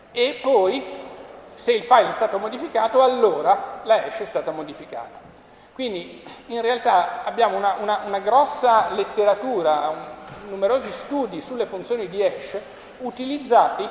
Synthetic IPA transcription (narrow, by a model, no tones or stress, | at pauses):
epːɔj | seilfajlɛst̪aːt̪omod̪ifikaːt̪oalːoːɾalaɛʃːɛst̪aːt̪amod̪ifika̰ːt̪ḁ | kwind̪iinrealt̪aabːjaːmounaʔunaʔunaɡɾɔsːalet̪ːeɾat̪uːɾa | numeɾoːzist̪uːd̪isulːefunt̪sjoːnid̪iɛʃː | ut̪ilid̪zːaːt̪i